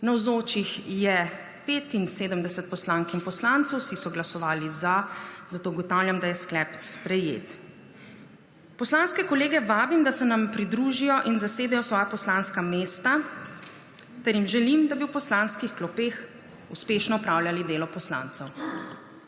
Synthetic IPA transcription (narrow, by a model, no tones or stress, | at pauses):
nawzoːt͡ʃixjɛ | peːt̪inseːd̪əmd̪ɛsət̪̚pɔslaŋkimpɔslant̪sɛwsisɔɡlasɔʋaːlizazat̪oːɡɔt̪awljamd̪ajɛsklɛpspɾɛjḛt̪ | pɔslanskɛkɔleːɡɛʋaːbimd̪asɛnampɾid̪ɾuːʒijɔʔinzaseːd̪ɛjɔsʋɔːjapɔslanskameːst̪a | t̪ɛɾjimʒɛlimd̪abiwpɔslanskixklɔpeːx | uspeːʃnɔɔpɾawljalid̪eːlɔpɔsla̰ːnt̪sɛw